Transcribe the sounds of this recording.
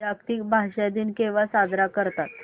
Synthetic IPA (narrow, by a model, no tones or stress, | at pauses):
akt̪ikbʱaɕad̪iːnkeʋasad̪ɾakəɾt̪at̪̚